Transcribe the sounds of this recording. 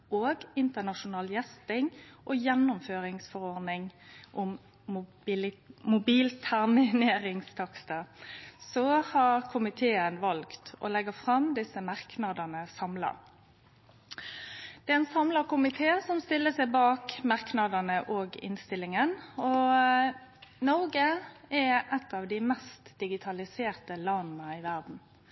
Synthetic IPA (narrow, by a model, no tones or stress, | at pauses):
oːɡɪnt̪ənɑʃʊnɑːljɛst̪ɪŋʔɔjɛnːʊmføːɾɪŋsfɔʁɔʁd̪nɪŋʔʊm | mʊbiːlt̪ʰæʁmɪneːɾɪŋst̪ʰɑkst̪əsɔhɑʁkʰʊmɪt̪ʰeːənʋɑlkt̪ɔ̰lɛɡəfʁɑmd̪ɪsəmɑʁknɑd̪ənəsɑmlɑ̰ | d̪̥ɛɛnsɑmləʁkʊmɪt̪ʰeːsɔmst̪ɪlːəsɛɪbɑːkmɑʁknɑd̪ənəʔoːɡɪ̰nst̪ɪlːɪŋənɔ | nɔʁɡəɛʔɛt̪ːɑːʋd̪ɪmɛst̪d̪̥ɪɡɪt̪ʰɑlɪseːʁt̪əlɑnn̩əɪʋæʁd̪n̩